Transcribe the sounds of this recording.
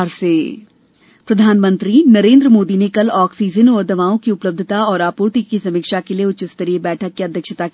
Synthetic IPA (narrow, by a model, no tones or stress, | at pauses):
ɾseː | pɾɐd̪ʱaːnmə̃nt̪ɾinɐɾẽːnd̪ɾəmoːd̪inekɐlɔːksiːd͡ʒənɔːɾd̪ɐʋaːõkiʊpləbd̪ʱɪt̪aɔːɾaːpuːɾt̪ikisɐmikʃakelieʊt͡ʃɪst̪əɾiebɛːʈʰəkːiɐd̪ʱjəkʃət̪a